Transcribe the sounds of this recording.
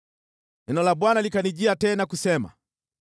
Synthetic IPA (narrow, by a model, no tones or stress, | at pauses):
ɛnɔlaɓwanalikaniʄiatɛnakusɛma̰